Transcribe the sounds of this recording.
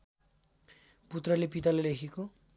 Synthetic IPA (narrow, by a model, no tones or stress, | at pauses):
put̪rʌlepit̪alelekʰiko